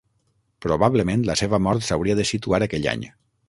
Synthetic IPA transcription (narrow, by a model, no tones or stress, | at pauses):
pɾoβaβləmẽnt̪ləseβəmɔɾt̪səwɾiəðəsit̪uaɾəkɛʎa̰ɲ